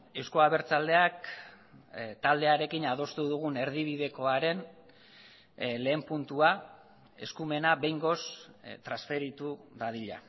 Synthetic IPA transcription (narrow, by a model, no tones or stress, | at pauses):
e̞wsko̞aβ̞e̞ɾt͡sald̪e̞ak | t̪ald̪e̞aɾe̞kinað̞o̞st̪uðuɣ̞une̞ɾðiβ̞iðe̞ko̞aɾe̞n | le̞ːmpunt̪ua | e̞skume̞naβe̞jŋɡo̞st̪ɾasfe̞ɾit̪uðaðiʎa̰